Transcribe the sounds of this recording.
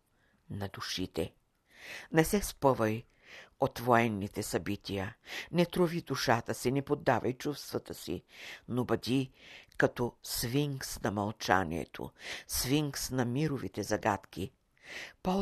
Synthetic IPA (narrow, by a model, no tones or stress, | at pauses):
nɐd̪uʃit̪ɛ | nɛsɛspəvɐj | ot̪voɛnːit̪ɛsɐbit̪ʲijənɛt̪ɾovid̪uʃat̪əsinɛpod̪ːavɐjt͡ʃust̪vɐt̪əsḭnobɐd̪ʲikɐt̪ɔsviŋksnɐmɐlˠt͡ʃa̰nʲḭɛ̰t̪ʰo̰sviŋksnɐmiɾovit̪ɛzɐɡat̪k̟i | pɔ